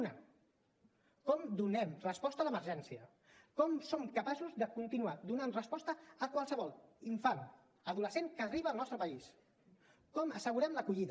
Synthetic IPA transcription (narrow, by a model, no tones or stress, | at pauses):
na | kɔmd̪unɛmrəspɔst̪ələməɾʒɛnsiə | kɔmsomkəpasuzðəkunt̪inuad̪unanrəspɔst̪əːkwalˠsəβɔlˠiɱfan | əðuləseŋkəːriβəːlˠnɔst̪ɾəpəis | kɔməsəɣuɾɛmləkuʎið